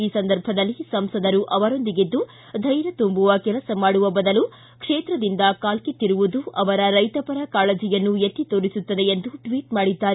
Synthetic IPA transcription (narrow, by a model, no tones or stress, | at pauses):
iːsɐnd̪ɐɾbʱɐd̪ɐlːisɐmsɐd̪ɐɾuʔɐʋɐɾo̞nd̪iɡid̪ːu | d̪ʱɐjɾɐt̪umbuʋɐkɛlɐsɐmaːɽuʋɐbɐd̪ɐlu | kʂeːt̪ɾɐd̪ind̪ɐkaːlkit̪ːiɾuʋud̪uʔɐʋɐɾɐɾɐjt̪ɐpɐɾɐkaːɭɐd͡ʒijɐnːuet̪ːit̪oːɾisut̪ːɐd̪e̞end̪uʈʋiːʈmaːɽid̪ːaːɾe